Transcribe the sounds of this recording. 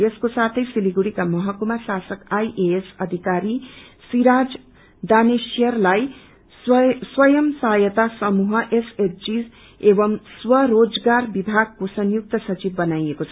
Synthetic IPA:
eskosat̪ʰʌjsiliɡuɽikamʌɦʌkumasasʌkajʔeesʌd̪ʱikaɾi | siɾad͡z | d̪anesjʌrlaj | swʌjʌmsajʌt̪asʌmuɦʌʔesetd͡ziz | ebʌmswʌɾod͡zɡarbibʱaɡ̚kosʌnjuk̚t̪ʌsʌt͡sibːʌnajekot͡sʰʌ

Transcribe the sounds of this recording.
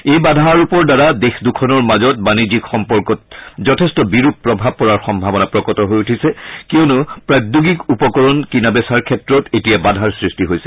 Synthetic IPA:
ejbadʱaaɹupɔɹdaɹadexdukʰɔnɔɹmazɔt̚banid͡ʑikxɔmpɔɹkɔt̚zɔtʰɛstɔbiɹup̚pːɹɔbʱab̚kɔɹaɹxɔmbʱabɔnapɹɔkɔtɔɦojutʰisɛkiɔnʊpɹatduɡikupɔkɔɹɔnkinabɛsaɹkʰɛtɹɔtetijabadʱaɹsɹistiɦojsɛ̥

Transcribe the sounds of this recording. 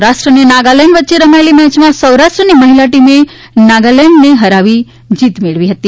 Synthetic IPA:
ɾaʃʈɾənenaɡaleɳʋətːʃeɾəmaelimɛt͡ʃmãsəwɾaʃʈɾəniməɦilaʈime | naɡaleɳneɦəɾaʋi | d͡ʒit̪meɭʋiɦət̪i

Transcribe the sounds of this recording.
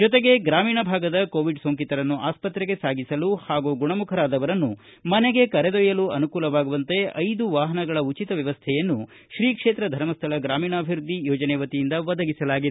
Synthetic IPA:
d͡ʒɔt̪eɡe̞ɡɾaːmiːɳɐbʱaːɡɐd̪ɐkoːʋiɖsoːŋkit̪ɐɾɐnːuʔaːspɐt̪ɾeɡe̞saːɡisɐluhaːɡuɡuɳɐmukʰɐɾaːd̪ɐʋɐɾɐnːu | mɐneɡe̞kɐɾed̪ojɐluɐnukuːlɐʋaːɡuʋɐnt̪e̞ɐjd̪uʋaːɦɐnɐɡɐɭɐut͡ʃit̪ɐʋjɐʋɐst̪ʰɛjɐnːu | ʃɾiːkʂe̞ːt̪ɾɐd̪ʱɐɾmɐst̪ʰɐlɐɡɾaːmiːɳɐːbʱiɾud̪ʱːijɔːd͡ʒɐnɛːʋɐt̪ijind̪ɐʋɐd̪ɐɡisɐlaːɡid̪

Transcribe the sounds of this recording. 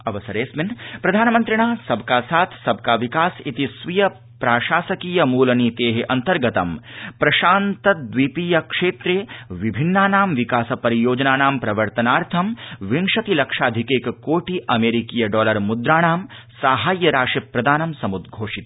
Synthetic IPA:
ɐʋɐsɐɾeːsminpɾɐd̪ʱaːnɐmɐnt̪ɾɐɳaːsɐbkaːsaːt̪ʰsɐb̚kaːʋikaːsit̪isʋijɐ | pɾaːʃaːsɐkiːjɐmuːlɐniːt̪eːɦeʔɐnt̪ɐɾɡɐt̪ɐmpɾɐʃaːnt̪ɐd̪ʋipiːjɐkʂeːt̪ɾeːʋibʱinːaːnaːmʋikaːsɐpɐɾijoːd͡ʒɐnaːnaːmpɾɐʋɐɾt̪ɐnaːɾt̪ʰɐmʋiŋʂɐt̪ilɐkʂaːd̪ʱikeːkkoːʈiʔɐmeːɾikiːjɐɖɔːlɐɾmud̪ɾaːɳaːm | saːɦaːjːɐɾaːʂipɾɐd̪aːnɐmsɐmud̪ɡʱoːʂit̪

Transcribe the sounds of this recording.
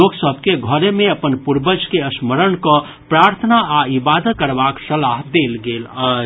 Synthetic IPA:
oːksəbkeɡʱɔɾemẽəpənpuɾbəd͡ʒkeəsməɾənkɔ | pɾaːɾt̪ʰənaaibaːd̪əkəɾbaksəlaɦd̪eːlɡeːla

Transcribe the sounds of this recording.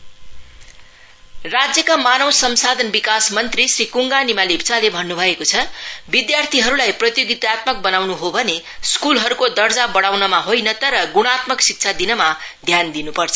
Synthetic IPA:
rad͡zjʌkamanʌwsʌmsad̪ʱʌnbikasmʌnt̪risrikuŋɡanimalibt͡salebʱʌnːubʱʌekot͡sʰʌbid̪jart̪ʰiɦʌɾulajprʌt̪joɡit̪at̪mʌk̚bʌnawnuɦobʱʌne | skulɦʌɾukod̪ʌrd͡zabʌɽ̃awnʌmaɦojnʌt̪ʌɾʌɡuɽ̃at̪mʌksik̚t͡sʰad̪inʌmad̪ʱjand̪inupʌrt͡sʰʌ

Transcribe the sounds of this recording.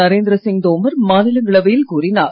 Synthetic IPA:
ɐɾeːnd̪ɾɐsɪŋd̪oːmɐɾmaːnɪlɐŋɡɐɭɐʋɐjɪlkuːrɪnaːɾ

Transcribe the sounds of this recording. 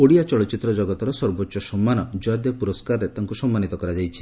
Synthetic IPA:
oɽijat͡ʃɔɭɔt͡ʃit̪ːɾɔd͡ʒɔɡɔt̪ɔɾɔsɔɾbotːʃɔsɔmːanɔd͡ʒɔd̪epuɾɔskaɾɔɾet̪aŋkusɔmːanit̪ɔkɔɾad͡ʒajt͡ʃʰi̥

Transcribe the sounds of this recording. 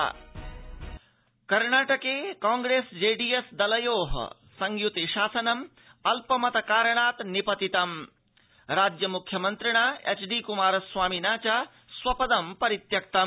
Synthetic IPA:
kɐɾɳaːʈɐkeːkãːŋɡɾeːsd͡ʒeːɖiːesd̪ɐlɐjoːɦɐ̰ | sɐŋɡjut̪eʃaːsɐnɐm | ɐlpɐmɐt̪ɐkaːɾɳ̃aːt̪nipɐt̪it̪ɐm | ɾaːd͡ʒjɐmukʰjɐmɐnt̪ɾiɳ̃aːḛt͡ʃɖiːkumaːɾɐswaːminaːt͡ʃa | swɐpɐd̪ɐmpɐɾit̪jɐk̚t̪ɐ

